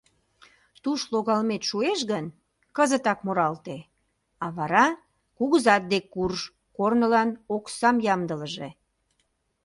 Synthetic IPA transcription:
t̪uʃloɣɑlmet̪ʃueʃɣən | kəzət̪ɑkmoɾɑlt̪e | ɑβɑɾɑ | kuɣəzɑt̪̚d̪ekːurʒ | kornəlɑnoksɑmjɑmd̪ələʒe

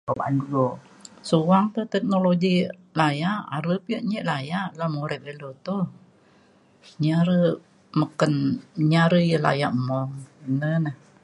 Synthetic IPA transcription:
oba̰nduo | suwaŋt̪ət̪ɛk̚noloɡi | lajaʔa̰ɾəpiəʔɲəʔlajaʔlamoɾɛp̚elot̪o | ɲaɾə | məkənɲaɾəjəla̰ja̰ʔmɔŋənənah

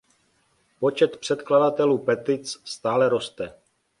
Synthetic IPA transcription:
po̞t͡ʃɛt̪pr̝̥ɛt̪kladat̪ɛluːpɛt̪ɪt͡sst̪aːlɛɾo̞st̪ɛ

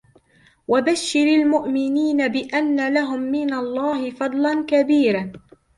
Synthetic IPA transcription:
wabaʃːɪɾalmʊʔmɪniːnabɪʔanːalaɦʊmːɪnalˤːɑːɦɪfɑd̪ˤlɑnkabiːɾa

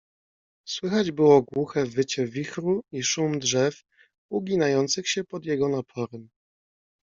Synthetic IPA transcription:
swɘxad͡ʑbɘwɔɡwuxɛvɘt͡ɕɛvʲixɾuiʂumd̪ʐɛf | uɡʲinajɔnt̪sɘxɕɛpɔd̪jɛɡɔnapʰɔɾɛm

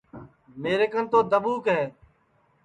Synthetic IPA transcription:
meːɾeːkənt̪oːd̪əɓuːkɦɛː

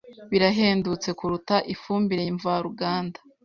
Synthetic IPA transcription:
βiɾaɦe̞ːndut͡se̞kuɾutaʔifuːmbiɾejiɱvaɾuɡaːnda

